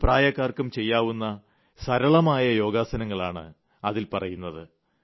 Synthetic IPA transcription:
praːjɐkːaːrkumt͡ɕe̞jːaːʋunːɐ | sɐɾɐɭɐmaːjɐjo̞ːɡaːsɐnɐŋːɐɭaːɳɨ̰ | ɐðilpɐrɐjunːɐðɨ

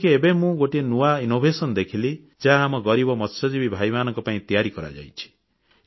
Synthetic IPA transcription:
keebemũɡoʈienuainobʱesɔnɔd̪ekʰili | d͡ʒaɦaːmɔɡɔɾibɔmɔt̪sɔd͡ʒibibʱajmanɔŋkɔpaĩt̪ijaɾikɔɾa̰d͡ʒa̰jt͡ʃʰi̥

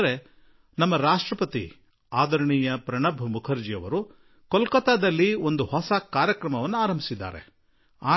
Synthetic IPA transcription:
ɾe | nɐmːɐɾaːʂʈɾɐpɐt̪ḭ | aːd̪ɐɾɐɳiːjɐpɾɐɳɐbʱumukʰɐɾd͡ʒijɐʋɐɾu | kɔlkɐt̪aːd̪ɐlːiond̪uhɔsɐkaːɾjɐkɾɐmɐʋɐnːuaːɾɐmbʱi̥sid̪ːa̰ːɾe̞̰ | aː

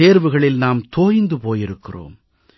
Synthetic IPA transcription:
eːɾʋɯɣɐɭɪlnaːmt̪oːjnd̪ɯpoːjɪɾɯkːɪro̰ːm

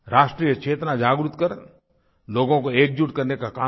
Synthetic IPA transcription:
ɾaːʃʈɾijəkt͡ʃʰeːt̪nad͡ʒaːɡɾut̪kəɾ | loːɡõkoeːk̚d͡ʒuʈkəɾnekakaː

